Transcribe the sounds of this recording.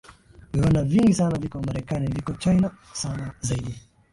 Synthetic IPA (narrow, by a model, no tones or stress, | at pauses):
vɛanaviŋɡisanavikɔmaɾɛkanivikɔt͡ʃajnasanazaiɗi